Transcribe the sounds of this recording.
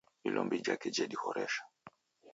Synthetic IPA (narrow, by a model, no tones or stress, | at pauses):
ilʔɔmbid͡ʒakɛd͡ʒɛɗixɔɾɛʃḁ